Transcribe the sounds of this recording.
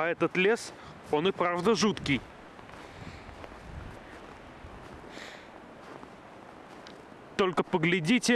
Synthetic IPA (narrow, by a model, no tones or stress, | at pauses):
ɐɛt̪ət̪lʲe̞s | o̞nɨpɾavd̪əʐut̪kʲɪj | t̪o̞lʲkəpəɡlʲɪdʲitʲɪ